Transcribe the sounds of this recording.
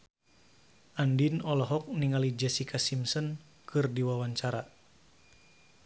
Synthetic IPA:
ʔandinɔlɔɦɔk̚niŋalid͡ʒɛsikʰasimsɔn | kɨrdiwawaɲt͡ʃaɾa

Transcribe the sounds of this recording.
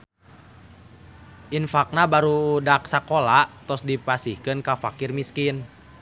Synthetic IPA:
ʔinfak̚nabaɾudak̚sakolaʔt̪ɔsdipasihkɨnkafakirmiskin

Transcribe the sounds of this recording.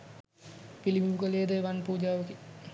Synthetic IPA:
pilibuukəlijed̪əʋanpuːd͡ʒaːʋəki

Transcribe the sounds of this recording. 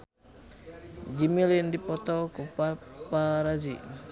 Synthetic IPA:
d͡ʒimilindipɔt̪ɔkupapaɾazḭ

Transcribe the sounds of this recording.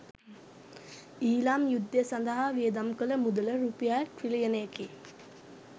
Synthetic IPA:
iːlamjud̪jəsand̪əɦaʋijed̪amkələmud̪ələɾupijaʈɾilijənejəki

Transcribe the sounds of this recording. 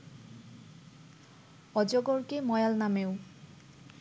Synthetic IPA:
ɔd͡ʑɔɡɔɹkemɔjalnamew

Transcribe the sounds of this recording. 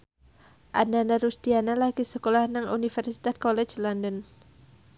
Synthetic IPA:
ʔananaɾust̪ianalaɡisəkolahnaŋunifɛrsi̥t̪at̪̚kɔlɛt͡ʃlɔndən

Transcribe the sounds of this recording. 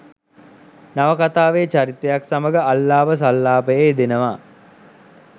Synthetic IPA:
naʋəkat̪aːʋeːt͡ʃaɾit̪əjaksaməɡəalːaːʋəs̬alːaːpəjed̪enəʋa

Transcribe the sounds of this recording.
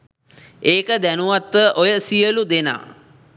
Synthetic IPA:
eːkəd̪ænuʋat̪ʋəʔojəsijəlud̪ena̰ː

